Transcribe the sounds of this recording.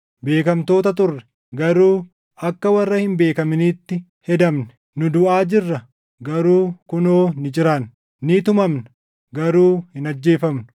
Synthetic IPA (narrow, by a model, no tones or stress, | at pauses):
be̞ːkɐmt̪o̞ːt̪ɐt̪ʊrːɛ̥ | ɡɐɾuː | ɐkːɐwɐrːɐhɪmbe̞ːkɐmɪniːt̪ːɪ | hɛd̪ɐmnɛ | nʊd̪ʊʔaːd͡ʒɪrːɐ | ɡɐɾuːkʊnoːnɪd͡ʒɪɾaːn | nɪt̪ʊmɐmnɐ̥ | ɡɐɾuːhɪnɐd͡ʒːe̞ːfɐmnʊ̥